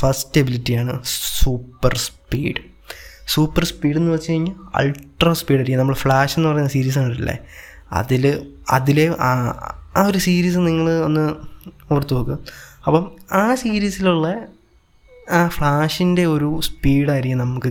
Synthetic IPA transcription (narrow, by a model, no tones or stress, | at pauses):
fɐstebilitːijaːɳɨsuːpːɐrspḭːɽɨ | suːpːɐrspiːɽe̞nːɨʋɐt͡ɕːɨkɐɻiŋːiɐ̰lʈrɐspiːɖɐɾikʲːmnɐmːɐɭɽfɭaːʂenːɨpɐrɐjunːasiːɾiːs̬aːɳilːɐ̰ | ɐ̰ðilɐ̰ðileʔa | oɾusiːɾiːs̬ɨniŋːɐɭo̞nːɨort̪ːupoːkːuɐpːomaːsiːɾiːsiluɭːɐ | aːfɭaːʂinde̞o̞ɾuspiːɽaːjiɾikːumnɐmukːɨ